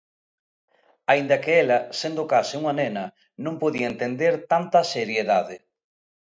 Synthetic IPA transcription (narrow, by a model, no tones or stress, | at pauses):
aind̪ɐkeelɐsend̪okasɪuŋanenɐ | nõmpoðiɐent̪end̪eɾt̪ant̪ɐseɾjeðaðɪ